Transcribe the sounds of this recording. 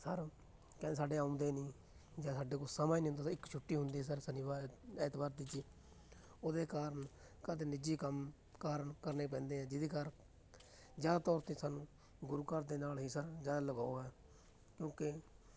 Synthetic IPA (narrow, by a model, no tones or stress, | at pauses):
səɾ | kɛ̃ːsaːɖeːãːʊ̃nd̪eːnĩː | d͡ʒãːsaːɖeːkʊt͡ʃsəmaːjnĩːɦʊnd̪aːsəɪkt͡ʃʰʊʈːiːɦʊnd̪iːɛsəɾsəniʋaːɛːt̪baːɾd̪iːd͡ʒiː | oːd̪eːkaːɾən | kaːt̪eːnɪd͡ʒiːkəm | kaːɾəɳkəɾneːp̬ɛ̃ːnd̪eːɦɛ̃ːd͡ʒɪd̪eːkaɾ | d͡ʒjaːd̪aːt̪ɔːɾt̪ẽːsaːnũː | ɡʊɾuːkəɾd̪eːnaːlɦiːsəɾd͡ʒaːd̪aːləɡaːoːɦɛː | kjõːke